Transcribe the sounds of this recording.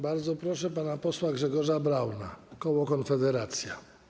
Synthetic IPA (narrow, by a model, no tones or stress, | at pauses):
baɾd̪zɔpɾɔʂɛpanapɔswaɡʐɛɡɔʐabɾawna̰kɔwɔkɔnfɛd̪ɛɾat̪sʲja